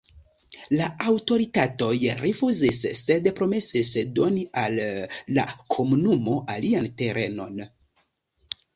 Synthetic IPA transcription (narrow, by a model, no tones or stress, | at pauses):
laawto̞ɾitato̞jɾefuzisse̞dpɾo̞me̞sisdo̞nialːa̰kʰo̞munumo̞ʔaliante̞ɾʔe̞̰no̞̰n